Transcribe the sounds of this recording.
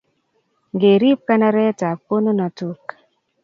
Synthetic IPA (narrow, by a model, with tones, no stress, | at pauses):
ŋɡe˨ɾi˦p̚ka˦na˦ɾɛ˦ta˨po˦no˦na˨tu˦k